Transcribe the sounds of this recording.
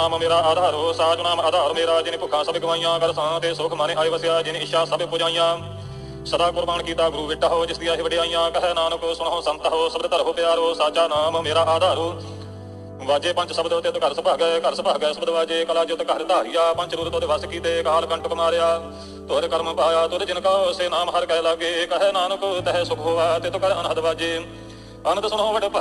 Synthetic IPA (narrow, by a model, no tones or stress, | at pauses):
aːmmeːɾaːaːd̪ʱaːɾoːsaːt͡ʃonaːmaːd̪aːɾmeːɾaːd͡ʒɪnẽːpʊkʰːãːsəbɡəʋaːijãːkəɾsãːt̪eːsʊːkʰmaːnẽːʔaːiːʋəsɪjaːd͡ʒɪnẽːɪʃaːsəbepʊːd͡ʒaːĩjãː | səd̪aːkʊɾbaːɳkiːt̪aːɡɾuːʋɪʈːaːɦoːd͡ʒɪsd̪ɪjãːɦiːʋəɖeːaːijãːkəɦɛːnaːnəksʊɽɦoːsənt̪ɦoːsəbd̪et̪əɾɦoːpɪjaːɾoːsaːt͡ʃaːnaːmmeːɾaːʔaːd̪ʱaːɾuː | ʋaːd͡ʒeːpə̃ɲt͡ʃsəbd̪ʊt̪ːeːt̪oːkəɾsəpaːɦɡɛkəɾsəpaːɦɡəːsəbd̪ʋaːd͡ʒeːkəlaːd͡ʒeʊt̪ːeːkəɾt̪aːɦɪjaːpə̃ɲt͡ʃɾuːɾt̪oːd̪eːʋəskiːt̪eːkaːlkəɳʈkəmaːɾɪjaː | t̪oːɾeːkəɾmpaːjaːt̪oːd̪eːd͡ʒɪnkaːoseːnaːmɦəɾkɛːləɡeːkəɦɛːnaːnəkt̪ɛɦɛsʊkʰɦoːʋaːt̪eːt̪õːkəɾənɦəd̪ʋaːd͡ʒeː | ənt̪esʊɳɦõːʋəɖeːp